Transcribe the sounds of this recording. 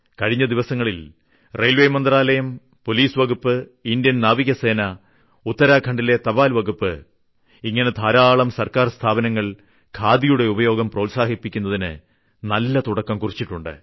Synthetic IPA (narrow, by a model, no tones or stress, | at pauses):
kɐɻiɲːɐd̪iʋɐsɐŋːɐɭil | rejlʋejmɐnd̪raːlɐjɐm | po̞liːsʋɐɡupːɨind̪jɐnnaːʋiɣɐse̞ːnɐ | ut̪ːɐɾaːkʰɐɳɖile̞t̪ɐbaːlʋɐɡupːɨ̰ | iŋːɐne̞t̪ʰaːɾaːɭɐmsɐrkaːrst̪ʰaːbɐnɐŋːɐɭ | kʰaːd̪ijuɽe̞ubɐjo̞ːɡɐmproːlsaːɦipːikʲːun̪ːɐðinɨ̰ | nɐlːɐt̪uɽɐkːɐmkurit͡ɕːiʈːuɳɖɨ̰